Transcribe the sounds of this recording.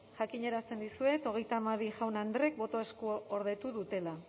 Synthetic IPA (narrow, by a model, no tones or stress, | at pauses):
ʝakiɲe̞ɾast̪e̞nd̪isue̞t̪o̞ɣ̞e̞jt̪aːmaβiʝawnand̪re̞k̚bo̞t̪oe̞skuoɾðe̞t̪uðut̪e̞la